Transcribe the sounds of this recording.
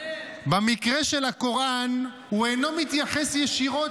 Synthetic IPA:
bamikʁeʃelako̞ʁan | huejno̞mit̪jaχesjeʃiʁo̞

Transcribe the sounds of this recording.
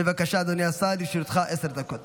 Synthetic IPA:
evakaʃad̪onjasad̪iʃiɾut̪χaʔeseɾd̪akot̪

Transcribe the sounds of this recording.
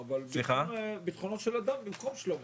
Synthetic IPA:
valsliχabit̪χonot̪ʃelad̪ambimko̞mʃelom

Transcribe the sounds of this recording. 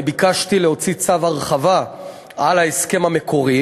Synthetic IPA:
bikaʃtileo̞t͡sit͡savaʁχava | ʔalaeske̞mame̞kʰo̞ʁi

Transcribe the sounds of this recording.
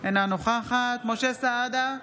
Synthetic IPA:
enanoχaχat̪mo̞ʃesaad̪a

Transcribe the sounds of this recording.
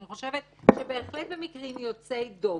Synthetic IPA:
iχo̞ʃe̞vet̪ | ʃebe̞ːχlet̪̚bemikʁimjo̞t͡sejd̪o̞

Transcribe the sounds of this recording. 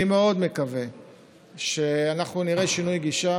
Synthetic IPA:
imeo̞d̪me̞kave | ʃeanaχnuniʁeʃinujɡiʃa

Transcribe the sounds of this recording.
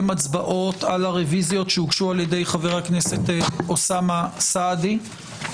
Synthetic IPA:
mat͡sbaʔo̞talaʁevizjo̞tʃeuɡʃualjede̞jχaveʁhaknese̞tosamasadi

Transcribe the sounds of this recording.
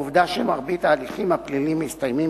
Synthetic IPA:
uvd̪aʃemaʁbit̪aːliχimaplilimist̪ajmi

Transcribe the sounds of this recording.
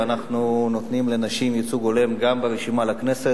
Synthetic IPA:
anaχnuno̞t̪nimle̞naʃimjit͡suɡo̞le̞mɡambeʁeʃimalakne̞se

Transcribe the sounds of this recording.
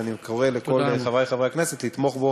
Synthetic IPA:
animkoʁelekolχavajχavʁejakneset̪lit̪moχbo

